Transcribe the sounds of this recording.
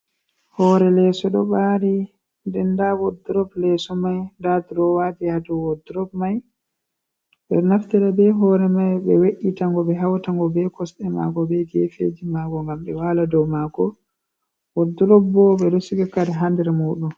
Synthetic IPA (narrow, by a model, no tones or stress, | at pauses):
hɔːɾɛlɛsɔɗɔɓaɾi | ndɛndawɔdɾɔblɛsɔmajndatuɾɔwadihaduwɔdɾɔbmaj | ɓɛnaftɛɾabɛɦɔːɾɛmajbɛweɗitaŋɡɔbɛɦawtaŋɡɔbɛkɔsɗɛma̰ɡɔbɛɡefḛd͡ʒimaɡɔŋɡamɓɛwaladɔwmaɡɔ | wɔduɾɔbbɔɓɛdɔsiɡakaɾɛɦandɛɾmuɗun